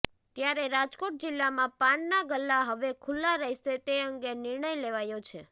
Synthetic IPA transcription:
t̪jaɾeɾad͡ʒkoʈ̚d͡ʒilːamãpaɳnaɡəlːaɦəʋekʰulːaɾəɦiʃet̪eəŋɡenɪɾɳəjleʋajot͡ʃʰe

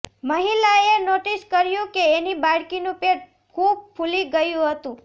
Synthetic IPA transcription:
məɦilaenoʈiskəɾjũkeːnibaɽkinũpeʈ̚ | kʰub̚pʰuliɡəjũɦət̪ũ

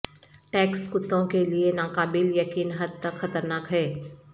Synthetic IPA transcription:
ʈɛːkskʊt̪ːõkelienaːkaːbɪljɐkiːnɦɐd̪̚t̪ɐkxɐt̪əɾnaːkɦɛː

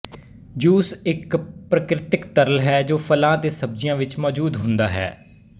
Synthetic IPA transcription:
d͡ʒuːsɪkpɾəkɾɪt̪ɪkt̪əɾəlɦɛːd͡ʒoːpʰəlãːt̪eːsəb̚d͡ʒɪjãːʋɪt͡ʃmɔːd͡ʒuːd̪ɦʊ̃nd̪a̰ːɦɛ̰ː

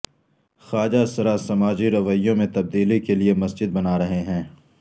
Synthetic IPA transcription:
xaːd͡ʒasɐɾasɐmaːd͡ʒiɾɐʋəjjõmẽt̪ɐb̚d̪iːlikeliemɐsd͡ʒɪd̪̚bɐnaːɾɐɦeɦɛ̃ː

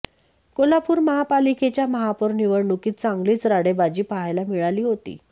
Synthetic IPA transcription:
kolapuːɾməɦapaliket͡ɕjaməɦapəɾniʋəɽɳukiːt̪̚t͡sãŋɡliːt͡sɾaɽebad͡ʑiːpaɦajlamiɭaliːɦot̪ḭː

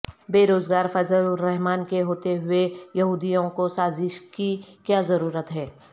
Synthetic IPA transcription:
beːɾoːzɡaːɾfɐzəlɾɛɦmaːnkeɦoːt̪eɦʊejɐɦuːd̪ijõkosaːzɪʃkikjazɐɾuːɾət̪ɦɛː

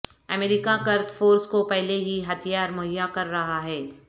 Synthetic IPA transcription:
ɐmeːɾɪkakɐɾt̪foːɾskopɛɦleɦiɦɐt̪ʰijaːɾmʊɦɪjakɐɾːɐɦaɦɛː

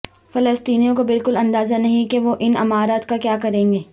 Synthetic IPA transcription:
fɐləst̪iːnijõkobɪlkʊlɐ̃nd̪aːzanɐɦĩkeʋoʔɪnɐmaːɾat̪kakjaːkɐɾẽːŋɡeː

